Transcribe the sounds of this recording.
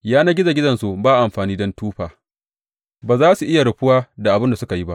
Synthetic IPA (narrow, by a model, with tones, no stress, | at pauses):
jaː˦naː˦ɡʲɪ˦za˨ɡʲɪ˦dɐ˨nsu˨baː˦ʔa˨mɸaː˨niː˦dɔ˦ntuː˦ɸaː˨ | baː˨zaː˦su˨ʔɪ˦ja˨ɽʊ˨ɸʊ˦waː˦da˨ʔa˨bɪ˦nda˨sʊ˦ka˨ji˦ba˦ʔ